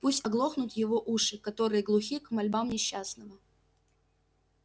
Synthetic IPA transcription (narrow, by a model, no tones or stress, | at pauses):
pusʲtʲɐɡlˠo̞xnʊt̪jɪvo̞ʔuʂɨkɐt̪o̞ɾɨjəɡlˠʊxʲikmɐlʲbamnʲɪɕːasnəvə